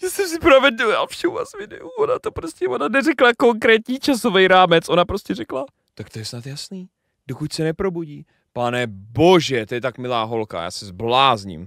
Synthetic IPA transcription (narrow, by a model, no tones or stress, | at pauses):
jaːsɛmsɪpɾovɛdua̰lfʃɛa̰smɪnɛ̰ʔuodat̪opɾoscɛodanɛrɛklako̞ŋkɾɛːt̪ɲiːt͡ʃasovɛjɾaːmɛt͡sʔo̞napɾoscɛrɛkla | t̪akt̪ojɛsnat̪jasniː | d̥okucsɛnɛpɾo̞buɟiː | panɛbo̞ʒɛt̪ojɛt̪akmɪlaːɦo̞lka̰ja̰ːsɛzblaːzɲḭm